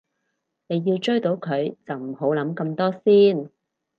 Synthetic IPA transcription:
ne˨˧jːiː˧wt͡ʃɵ˥ɥt̪o˨˥wkʰɵ˨˧ɥt͡sɐ˨wm̩˨˩ho˨˥wlɐ˨˥mkɐ˧mt̪ɔː˥siː˥n

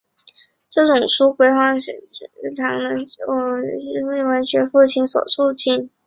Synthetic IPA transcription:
ʈ͡ʂɤ˥˩ʈ͡ʂʊ˨˩ŋʂu˥kwe˧˥ɪxwɑ˥ŋ˧˥t̪ʰɑ˧˥ŋd̪ə˧˥ɔ˧˩ɻə˥ə˥˩nwe˧˥ɪt͡ɕɥɛ˧˥fu˥˧t͡ɕʰi˥˩nswɔ̰˨˩ʈ͡ʂʰu˥˧t͡ɕʰi˥˩n

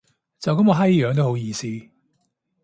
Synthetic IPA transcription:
t͡sɐ˨wkɐ˨˥mkɔː˨˧ɦɐ˥jjœː˨˧ŋt̪o˥who˨˥wjiː˧siː˥

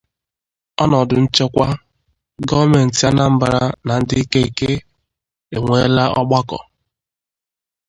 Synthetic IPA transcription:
ɔ˦nɔ˨dʊ˨n̩˦t͡ʃe˦kʷa˦ | ɡɔ˦me˨n̩˨ta˦na˦m̩˦ba˨ɾa̰˦na˨n̩˦dɪ˦i˦ke˦i˨ke˦ | e˨ŋʷe˦la˦ɔ˦ɡ͡ba˦kɔ̰˨

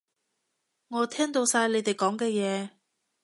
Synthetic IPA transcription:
ŋɔː˨˧t̪ʰɛː˥ŋt̪o˧wsaː˧jle˨˧jt̪e˨jkɔː˨˥ŋkɛː˧jɛː˨˧

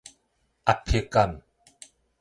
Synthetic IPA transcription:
ʔa˨pʰi˨kɐ˨m

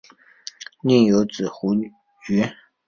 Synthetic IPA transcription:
ni˥˩ŋjo˧˥ʊt͡sɹ̩˨˩xu˧˥ | t͡ɕy˧˥

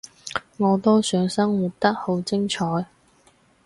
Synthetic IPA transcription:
ŋɔː˨˧t̪ɔː˥sœː˨˧ŋsɐ˥ŋwu˨t̚t̪ɐ˥k̚ho˨˥wt͡sɪ˥ŋt͡ʃʰɔː˨˥j

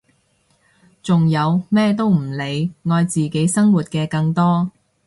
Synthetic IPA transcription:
t͡sʊ˨ŋjɐ˨˧wmɛː˥t̪̬o˥wm̩˨˩le˨˧jŋɔː˧jt͡siː˨ke˨˥jsɐ˥ŋwuː˨˩t̚kɛː˧kɐ˧ŋt̪ɔː˥

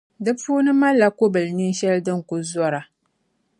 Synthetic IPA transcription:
dɨ˦puː˦nɨ˦ma˦lːa˨ko˦bɨ˨lni˦n˦ʃɛ˦ldɨ˦ŋ˨kʊ˨zɔ˦ɾa˨

